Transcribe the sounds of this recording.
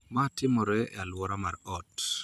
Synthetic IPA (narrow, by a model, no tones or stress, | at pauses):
matɪmɔɾɛalwɔɾamaɾʔɔt